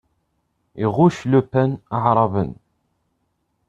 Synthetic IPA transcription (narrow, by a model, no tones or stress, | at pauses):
iʁuʃlupːænɑʕɾˤɑvə̰n